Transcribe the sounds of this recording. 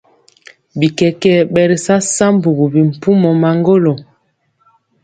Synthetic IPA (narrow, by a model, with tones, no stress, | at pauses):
bi˨kɛ˨kɛ˦ɓɛ˨ɾi˨sa˦sa˦mbu˨ɣu˨bi˨m̩˨pu˦mɔ˨ma˨ŋɡo˦lo˨